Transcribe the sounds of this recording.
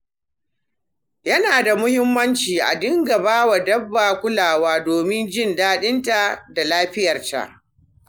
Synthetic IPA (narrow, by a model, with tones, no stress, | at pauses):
jɐ˦naː˨da˨mʊ˦hɪ˦mːɐ˦nt͡ʃiː˨ʔa̰˨dɪ˦ŋɡɐ˨baː˦wa˨dɐ˦bːaː˨kʷʊ˦laː˨waː˦doː˨mɪ˦nd͡ʒɪ˦˨ndaː˦ɗɪ˦nta˨ʔda˨laː˦ɸɪ˦jɐ˨rta̰˨ʔ